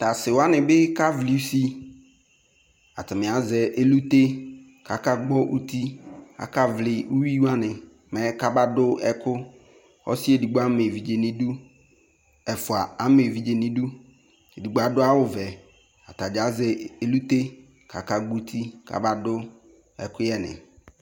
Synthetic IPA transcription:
ta˨sɪ˨wa˦nɪ˨bɪ˦ka˦vlɪ˨u˦si˦ | a̰˨tɪ˨mɪ˨a˨zɛ˨ʔe˦lu˦t̪e˦ | ka˨ka˦ɡ͡bɔ˦ʔu˦ti˦a̰˨ka˦vlɪ˨u˦wi˦wa˦nɪ̃˨ | mɛ˨˦ka˦ba˦dʊ˦ɛ˨kʊ˦ | ɔ̰˦si˦e˨du˨ɡ͡bo˦a˦me˨vi˨d͡ʒe˨nɪ̃˨du˦ | ɛ˨fʊ˨a˨a˦me˨vi˨d͡ʒe˨nɪ̃˨du˦ | e˨di˨ɡ͡bo˨a˨dʊ˦a˦wʊ˨vɛ˨ | a˨ta˨d͡ʒa˨˦zɛ˨e˦lu˦t̪e˦ | kʰa˨ka˨ɡ͡bu˦t̪ʰi˦ka̰˨ba˦dʊ˦ | ɛ̰˨kʊ˦jɛ˦nɪ̰̃˨

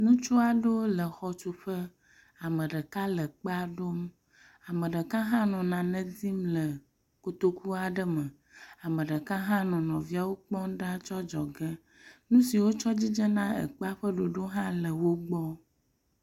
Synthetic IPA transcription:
nũ˦t͡ʃu˦a˨ɖo˦lə˨xɔ˨t͡ʃu˨ɸə˦ | a˨mə̃˨ɖə˨ka˦lə˨k͡pa˦ɖo˦m | a˨mə̃˨ɖə˨kã˦ɦã˦nɔ̃˨nã˨nɛ̃˦di˦mlə˨ | ko˨t̪o˦ku˦a˨ɖə˦mə˨ | a˨mə̃˨ɖə˨ka˦ɦã˦nɔ̃˨nɔ̃˨vi˦a˨wo˦k͡pɔ̃˦ɖa˦t͡ʃɔ˦d͡ʒɔ˨ɡɛ˦ | nũ˦si˨wo˦t͡ʃɔ˦d͡ʑi˦d͡ʒə˦nã˦ə̰˨k͡pa˦ɸə˦ɖo˨ɖo˦ɦã˦lə˨wo˦ɡ͡bɔ˦

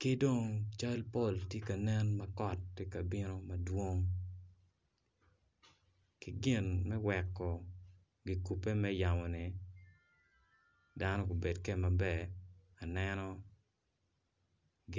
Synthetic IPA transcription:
ke˦do˦˨ŋt͡ʃa˦lpo˦˨ltje˦ka˨nɛ˦nma˦kɔ˨t̚kɪ˦ka˨bɪ˦no˦ma˨dwo˦ŋ | kɪ˨ɡɪ˦˨nmɛ˦wɛ˨kːɔ˨ | ɡɪ˨ku˨pe˦mɛ˦ja˨mɔ˨nɪ˨ | da˦nɔ˦ko˨be˨dkɛ˦ma˨bɛ˨ | a˨nɛnɔ˦ | ɡ

